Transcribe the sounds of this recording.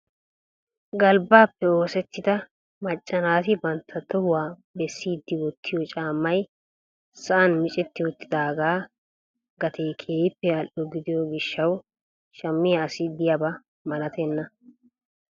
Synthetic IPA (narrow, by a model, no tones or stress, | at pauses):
ɡɐlbaːpːɛo̞ːsɛt̪ʰːɪd̪ɐ | mɐt͡ʃʼːɐnaːt̪ɪbɐnt̪ʰːɐt̪ːɔhwaː | bɛsːiːd̪ːɪwɔt̪ːɪjɔt͡ʃʼaːmːɐj | sɐʔɐnmɪt͡ʃʼɛt̪ːɪwɔt̪ːɪ̥d̪aːɡaː | ɡɐt̪ʰejkʰeːjɪpːɛɐlʔɔɡɪd̪ɪjoɡɪʃːɐw | ʃɐmːɪjɐːsɪd̪ɪjɐbɐ | mɐlɐt̪ʰɛnːɐ